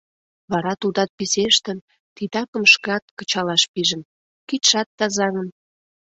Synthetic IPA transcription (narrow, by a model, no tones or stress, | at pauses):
βɑɾɑt̪ud̪ɑt̪̚piseʃt̪ə̆n | t̪id̪ɑkə̆mʃkɑt̪̚kət͡ɕɑlɑʃpiʒə̆n | kit̪ʃɑt̪ːɑzɑŋə̆n